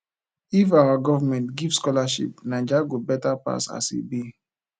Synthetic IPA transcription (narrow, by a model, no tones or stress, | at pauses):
ifawaɡɔvamɛ̃ntɡivskɔlaʃḭp̚nãd͡ʒaɡobɛtapa̰sa̰sḭbi